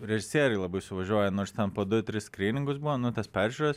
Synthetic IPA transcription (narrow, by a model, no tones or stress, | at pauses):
ɾʲɛʒʲɪsʲiɛɾɐɪlˠɐbɐɪsʲʊʋɐʒʲuɔjɛnoːɾst̪ʲɛnpoːd̪ʊt̪ʲɾʲɪskɾʲiːnʲɪŋɡʊsbuʋoːnʊt̪ɐspʲæːɾʲʒʲuːɾɐs